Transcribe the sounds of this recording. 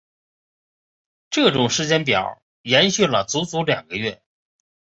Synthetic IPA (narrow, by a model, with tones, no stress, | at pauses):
ʈ͡ʂɤ˥˩ʈ͡ʂʊ˨˩ŋʂɻ̩˧˥t͡ɕjɛ˧˥np̬jɑ̰˨˩˦ʊ | jɛ˧˥nɕy˥˩lə˩t͡su˧˥t͡su˧˥ljɑ˨˩ŋɡə˦ɥɛ˥˩